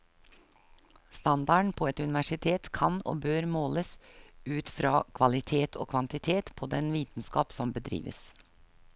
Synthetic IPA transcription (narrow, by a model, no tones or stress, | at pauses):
st̪ɑnd̪ɑɳpʰoːɛt̪ʉnɪʋæʂɪt̪ʰeːt̪kʰɑno̰ːbøːɾmoːləsʉːt̪fɾɑːkʰʋɑlɪt̪ʰeːt̪ʰo̰ːkʰʋɑnt̪ɪt̪ʰeːt̪pʰoːd̪ɛnʋiːt̪n̩skɑːpsɔmbəd̪ɾḭːʋə̰s